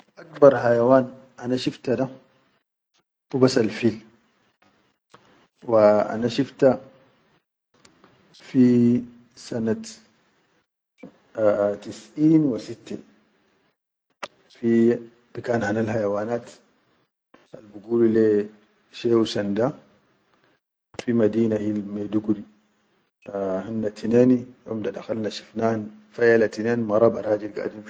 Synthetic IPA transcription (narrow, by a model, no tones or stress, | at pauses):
ʔak̚bɑɾˤhajawaːn | ʔanaʃift̪ad̪a | bubasalfiːl | waʔa̰naʃift̪a | fi | sana | t̪isʔiːnwisit̪ːḛ | fi | b̥ikaːnhanalhajawaːnaːt̪ | a̰lbuɡuːlile | ʃeːwsand̪a | fimad̪iːnaʔilmed̪uɡuɾi | hanːat̪ʰineːnijo̰md̪ad̪axalnaʃi̥fnaːnfajalat̪ineːnmɑɾˤɑbɑ̰ɾˤaːd͡ʒilɡa̰ːd̪im